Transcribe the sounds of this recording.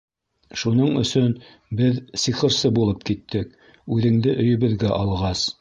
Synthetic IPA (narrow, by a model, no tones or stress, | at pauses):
ʃunɤɴɵ̰̆sɵn | bɘðsiχɤ̆ɾsɤbulˠɤp̚kit̪ʰːɘk | ʉðɘ̆ŋd̪ɘʔɵ̆jɵ̆βɘ̆ðɡæʔɑlˠʁɑs